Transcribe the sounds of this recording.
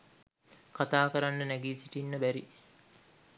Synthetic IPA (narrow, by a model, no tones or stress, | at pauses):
kat̪aːkəɾanːənæɡiːsiʈinːəbæɾi